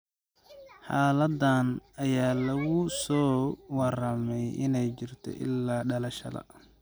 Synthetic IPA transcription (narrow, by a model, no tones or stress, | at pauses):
ħaːlɐd̪anɐjaːlɐɣʊsɔːwɑrɐmɛjʔɪ̰nɛjt͡ʃɪrt̪ʰɔ̰ʔɪ̰lːaːɖɐlɐʃɐ̰ðɐ̰